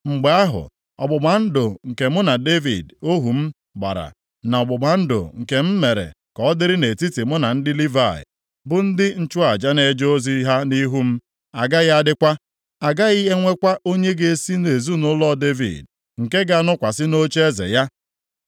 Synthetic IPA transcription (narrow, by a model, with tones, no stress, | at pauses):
ŋ͡m̩˨ɡ͡be˨˦a˦ɦʊ̰˨ | ɔ̰˨bʊ˨ɡ͡ba˨n̩˦dʊ˨ŋ̩˨ke˨mʊ˦na˨de˦vḭ˨do˦ɦu˨m̩˦ | ɡ͡ba̰˨ɾa̰˨ | na˨ɔ˨ɡ͡bʊ˨ɡ͡ba˨n̩˦do̰˨ŋ̩˨ke˨m̩˦me˨ɾḛ˨ | kɔ˨ɔ˦dɪ˦ɾɪ˦ne˨ti˦ti˨mʊ˦na˨n̩˦dɪ˦li˦va˦˨ɪ̰˨ | bʊ˨n̩˦dɪ˦n̩˦t͡ʃʊ˦a˨d͡ʒa˦ne˨d͡ʒo˦zi˦ɦa˦ni˦ɦu˦m̩˦ | a˨ɡa˦ɣa˦dɪ˦kʷa˦ | a˨ɡa˦ɣi˦ɦe˦ŋʷe˦kʷa˦o˦ɲe˦ɡe˨e˦si˦ne˨zu˦nʊ˦lɔ˦˨de˦vḭ˨d̚ | ŋ̩˨ke˦ɡa˦˨˦nʊ˦kʷa˨sɪ˦no˦t͡ʃe˦zḛ˨ja˦